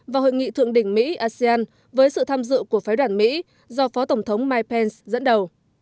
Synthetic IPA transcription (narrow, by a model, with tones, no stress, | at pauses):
vaː˨˩ho̰˧˨jŋḭ˧˨t̪ʰɨ̰˧˨əŋɗï˧˩ŋ̟mḭ˧˥ʔaː˧sɛ˧aː˧n | vəː˨˦jsɨ̰˧˨t̪ʰaː˧mzɨ̰˧˨ku˧˩əfaː˨˦jɗwaː˧˩nmḭ˧˥ | zɔ˧fɔ˨˦t̪ə˧˩ŋ͡mt̪ʰə˨˦wŋ͡mmaː˧jpɛ˧nszə̰˧˥nɗə˨˩w